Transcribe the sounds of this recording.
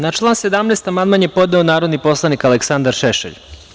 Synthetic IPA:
nat͡ʃlˠaːnse̞d̪amneːst̪amand̪manjepo̞d̪neonaːɾo̞d̪nipo̞slˠanikaleksand̪aɾʃeʃḛʎ

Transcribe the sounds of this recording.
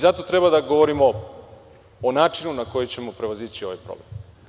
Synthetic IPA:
zat̪o̞t̪ɾe̞bad̪aɡo̞ʋoɾimo̞ | onaːt͡ʃinunako̞jet͡ɕe̞mo̞pɾe̞ʋozit͡ɕio̞ʋa̰jpɾo̰blem

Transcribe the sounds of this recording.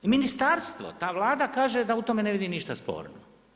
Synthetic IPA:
minist̪aːɾst̪ʋo̰t̪aːʋlˠaːd̪akaːʒed̪aut̪omeneʋid̪iniʃt̪aspo̰ːɾno̰

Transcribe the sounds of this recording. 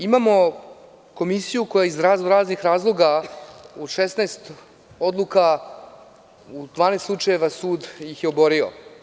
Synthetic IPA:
imamo̞ | ko̞misijuko̞jaizɾaːzoɾaːznixɾaːzlˠo̞ɡauʃesnaest̪ | o̞d̪lˠuka | ud̪vaːnest̪lˠut͡ʂajeʋasuːd̪jixjeobo̞ɾio̰

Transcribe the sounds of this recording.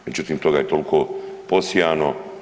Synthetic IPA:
d͡ʒut̪int̪oɡajt̪olkʰoposjaːno

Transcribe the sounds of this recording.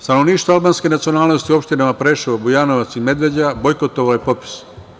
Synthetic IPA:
st̪ano̞ʋniːʃt̪ʋoalˠbaːnske̞nat̪sio̞naːlnost̪iuo̞pʃt̪inamapɾeʃiobujaːnoʋat̪sime̞d̪ʋe̞d͡ʑabojkot̪oʋalojepo̞pi̥s

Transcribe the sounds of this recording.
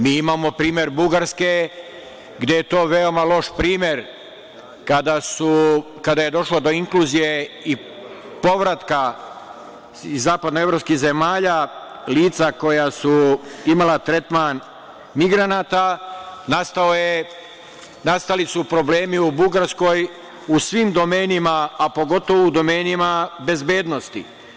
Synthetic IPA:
miːimamo̞pɾiːmʲje̞ɾbuɡaɾske | ɡd̪je̞jet̪o̞ːʋeo̞malˠo̞ʃpɾiːmje̞ɾ | kad̪asu | kad̪aje̞d̪o̞ʃlod̪o̞iŋkluzije̞i | po̞ʋɾat̪ka | izːaːpad̪noe̞vɾo̞pskize̞maːʎa | liːt̪sako̞jasuimalat̪ɾe̞t̪man | miɡɾanaːt̪anast̪aoje | nast̪alisupɾo̞ble̞ːmiubuɡaɾsko̞j | usʋimd̪o̞me̞ːnimaːpo̞ɡo̞t̪o̞ʋoud̪o̞me̞ːnimabe̞zbe̞ːd̪no̞st̪ḭ

